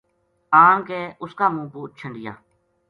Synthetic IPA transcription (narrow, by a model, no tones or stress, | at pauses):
ãːnkeːʔʊskaːmũːpuːt̪̚t͡ʃʰəɳɖɪjã̰ː